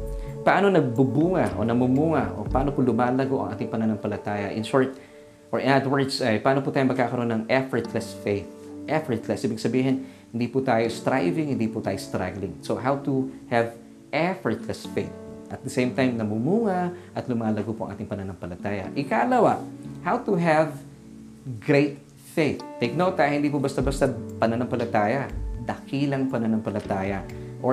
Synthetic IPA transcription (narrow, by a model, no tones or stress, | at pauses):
pɐʔaːnonɐɡ̚bubuːŋɐʔo̞̰nɐmumuːŋɐʔo̰pɐʔaːnopʊlʊmaːlɐɡoʔɐ̰ŋʔa̰ːt̪ɪŋpɐnanɐŋpɐlɐt̪aːjɐʔɪ̰nʃɔɹt̪ | ʔoɹʔɪnat̪wɛɹd̪sɐjpɐʔaːnopʊt̪aːjomɐɡ̚kaːkɐɾoonɐŋɛfɔɹt̪lɛsfejθʔɛfɔɹt̪lɛsʔiːbɪɡsɐbiːɦɪnhɪnd̪iːpʊt̪aːjost̪ɾajvɪŋhɪnd̪ipʊt̪aːjost̪ɾa̰ɡlɪŋsoɦawt̪uhɛv | ʔɛfɔɹt̪lɛsfeɪθʔɐt̪̚d̪ɐsejmt̪ajmnɐmumuːŋɐʔɐt̪lʊmaːlɐɡopo̰ʔɐ̰ŋʔa̰ːt̪ɪŋpɐnɐnɐŋpɐlɐt̪aːjɐ̰ʔɪkaʔɐlɐwahawt̪uɦɛv | ɡɹeɪt̪̚ | feɪθːejk̚noʊt̪ːajhɪnd̪iːpʊbɐst̪abɐst̪apɐnɐnɐŋpɐlɐt̪aːjɐd̪ɐkiːlɐŋpɐnɐnɐŋpɐlɐt̪aːjɐ | ʔo